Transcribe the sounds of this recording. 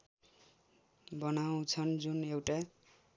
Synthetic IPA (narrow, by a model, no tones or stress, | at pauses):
bʌnaw̃t͡sʰʌnd͡zunewʈa